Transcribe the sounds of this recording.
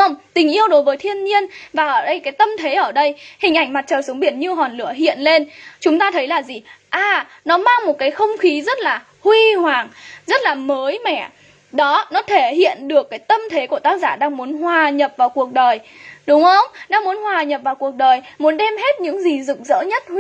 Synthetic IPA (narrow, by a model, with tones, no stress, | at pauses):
ə˧wŋ͡mt̪ï˨˩ŋ̟ʔi˧əwɗo˨˦jvəː˨˦jt̪ʰi˧ənɲi˧ənvaː˨˩ʔəː˧˩ɗə˧jkaː˨˦jt̪ə˧mt̪ʰe˨˦ʔəː˧˩ɗə˧jhï˨˩ŋ̟ʔa˧˩ŋ̟ma˨˩t̚t͡ɕəː˨˩su˨˦ŋ͡mɓi˧˩ənɲɨ˧ɦɔ˨˩nlɨ̰˧˩əɦḭ˧˨ənle˧nt͡ɕʊ˨˦ŋ͡mt̪aː˧t̪ʰə˨˦jlaː˨˩zi˨˩ʔaː˨˩ | nɔ˨˦maː˧ŋmo˨˩t̚kaː˨˦jxə˧wŋ͡mxi˨˦zə˦˥t̚laː˨˩ | hwi˧hwaː˨˩ŋzə˦˥t̚laː˨˩məː˨˦jmɛ̰˧˩˨ | ɗɔ˨˦nɔ˨˦t̪ʰe˧˩hḭ˧˨ənɗɨ˨˩əkːaː˨˦jt̪ə˧mt̪ʰe˨˦ku˧˩ət̪aː˦˥k̚zaː˧˩ɗaː˧ŋmu˨˦nɦwaː˨˩ɲə˨˩p̚vaː˨˩wku˨˩ək̚ɗəː˨˩jɗʊ˨˦ŋ͡mxə˧wŋ͡mɗaː˧ŋmu˨˦ənhwaː˨˩ɲə˨˩p̚vaː˨˩wku˨˩ək̚ɗəː˨˩jmu˨˦nɗɛ˧mɦe˦˥t̚ɲɨ̰˧˥ŋzi˨˩zɨ̰˨˩k̚zə̰ː˧˥ɲə˦˥t̚h